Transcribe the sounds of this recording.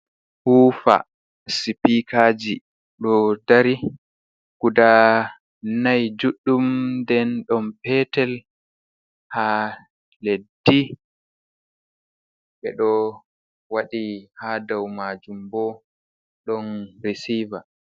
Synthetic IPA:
huːfa̰ | sipikʰad͡ʒi | ɗɔdaɾi | kuda | najd͡ʒuɗːumdɛnɗɔmpɛtɛl | ha | ledːi | ɓɛɗɔ | waɗihadawmad͡ʒumbɔ | ɗɔnɾisiva

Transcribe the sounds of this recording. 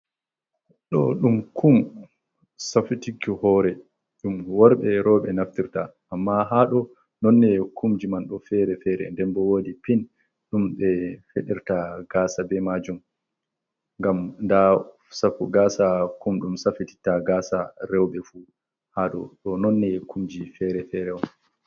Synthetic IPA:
ɗɔɗumkʰum | safitikːuhɔɾɛ | ɗumwɔɾɓɛɾɔɓɛnaftiɾtaʔːmːaɦaɗɔ | nɔnːɛkʰumd͡ʒimanɗɔfɛɾɛfɛɾɛ̰ndɛnbɔwodipin | ɗumɓɛfeɗiɾtaɡaːsabɛmad͡ʒum | ŋɡamnda | safuɡasakumɗumsafiti̥taɡaːsaɾɛwɓɛfu | haɗɔɗɔnɔnːɛkʰumd͡ʒifɛɾɛfɛɾɛwɔn

